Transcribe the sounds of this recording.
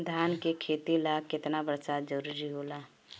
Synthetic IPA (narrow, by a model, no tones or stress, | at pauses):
d̪ʱaːnkekʰeːt̪ilaɡkɪt̪nabəɾsad͡ʒəɾuːɾiɦoːlaː